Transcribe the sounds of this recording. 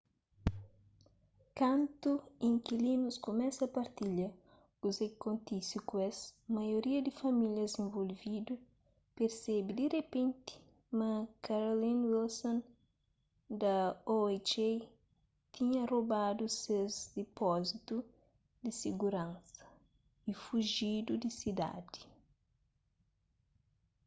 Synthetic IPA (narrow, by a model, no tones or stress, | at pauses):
kãnt̪uĩŋkilinuskomɛsɐpɐɾt̪iʎɐ | kuzekõnt̪isikwesmɐjoɾiɐd̪ifɐmiljɐzẽɱvolvid̪u | peɾsɛbid̪irepẽnt̪i̥ | mɐ̃kaɾolĩnwilsõn | d̪ɐoet͡ʃe | t̪ʰiɲɐrobad̪usezd̪epɔzit̪u | d̪isiɡuɾɐ̃nsɐ̥ | ifuʒid̪ud̪isid̪a̰d̪i̥